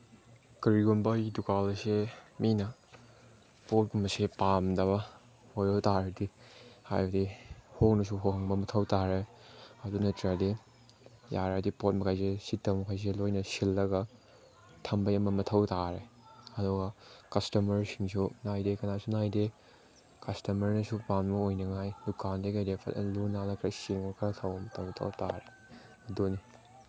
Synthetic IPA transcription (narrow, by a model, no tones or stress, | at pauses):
kɐɾiɡunbɐidukalɐseminɐ | pot̚ɡumɐsepamdɐbɐ | hojɾowtaɾɐdiha̰jbɐdihok̚nɐs̬uɦokhɦɐŋbɐmɐtʰɐwtaɾe | ɐdunɐtɾade | jaɾadipot̚mɐkʰajs̬esitːɐmɐkʰajs̬elojnɐsilːɐɡɐ | tʰɐmbɐjɐmɐmɐtʰɐwtaɾeɐdɔɡɐkɐstɐmɐɾsiŋsunajdekɐnasunajde | kɐstɐmɐɾnɐsupanmɐojnɐŋajdukandeɡɐjɾepʰɐ̰tlunalɐkʰɾɐsiŋmɐkʰɐɾɐtʰɐwɐmɐtʰɐwtʰa̰wta̰ɾe | ɐdoni